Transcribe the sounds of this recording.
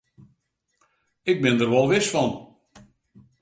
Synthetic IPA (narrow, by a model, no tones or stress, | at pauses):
ɪk̚bɪndərʋɔlˠʋɪsfɔn